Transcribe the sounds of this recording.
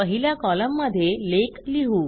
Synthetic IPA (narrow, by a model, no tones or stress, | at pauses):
əɦiljakɔləmːəd̪ʱːjelekliɦuː